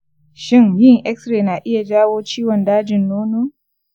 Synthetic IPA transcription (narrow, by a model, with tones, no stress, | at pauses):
ʃɪ˦ŋhi˦˨ŋʔɛ˦ksɾeː˨na˨ʔɪ˦ja˨d͡ʒaː˦woː˦t͡ʃiː˦wɔ˨ndaː˦d͡ʒɪ˨nːoː˦noː˦